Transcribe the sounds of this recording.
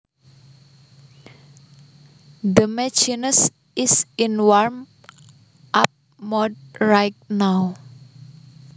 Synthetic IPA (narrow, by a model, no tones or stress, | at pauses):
d̪əmɛt͡ʃinəs | ɪsinwaɹm | ʔap̚ | mɔd̚ɹajt̚naw